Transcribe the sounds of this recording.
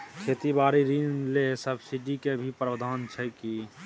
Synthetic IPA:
kʰeːt̪ibaːɾiɾinlesəbsiɖikebʱipɾəʋd̪ʱaːnt͡ʃʰɛki

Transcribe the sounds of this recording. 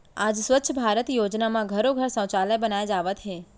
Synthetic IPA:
ad͡ʒsʋət̪ːʃʰəbʱaɾət̪jod͡ʒnamãɡʱəɾoɡʱəɾsə̃w̃t͡ʃaləjbənajed͡ʒaʋət̪ɦe

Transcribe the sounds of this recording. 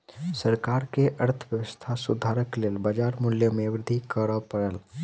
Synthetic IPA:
səɾkaːɾkeʔəɾt̪ʰəʋjəʋəst̪ʰasʊd̪ʱaɾəkleːlbəd͡ʒaːɾmʊljəmeʋɾɪd̪ʱikəɾəpəɽəl

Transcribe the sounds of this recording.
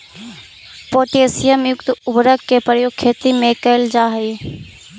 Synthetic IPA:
poːʈeːsɪjəmjʊkt̪ʊbɾəkkːepəjoːɡ̚kʰːeːt̪imẽkəɪld͡ʒaːɦi

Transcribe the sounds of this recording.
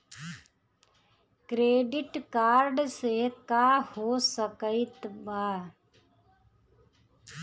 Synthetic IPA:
kɾeːɖɪʈkaːɾɖsekaːhosəkəɪt̪maː

